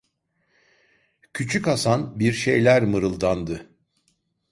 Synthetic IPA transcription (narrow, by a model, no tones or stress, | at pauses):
cʰyt͡ʃʰykasanbiɾʃe̞jlʲæɾmɯɾɯlˠd̪and̪ɯ